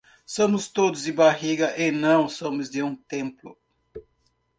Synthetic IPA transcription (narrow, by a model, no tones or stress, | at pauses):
sõmʊst̪od̪ʊzd̪ɪbaɦiɡɐʔenɐ̃w̃sõmʊzd̪ɪũt̪ẽmplʊ̰